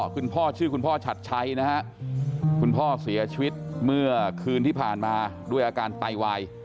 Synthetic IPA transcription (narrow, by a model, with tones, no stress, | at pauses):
kʰu˧npʰɔː˥˩t͡ɕʰɯː˥˩kʰu˧npʰɔː˥˩t͡ɕʰa˨˩t̪̚t͡ɕʰa˦˥jna˦˥ha˦˥ʔkʰu˧npʰɔː˥˩si˨˩˦ɐt͡ɕʰi˧wi˦˥t̪̚mɯ˥˩ɐkʰɯː˧nt̪ʰiː˥˩pʰaː˨˩nmaː˧du˥˩əjʔaː˧kaː˧nt̪a˧jwa˧j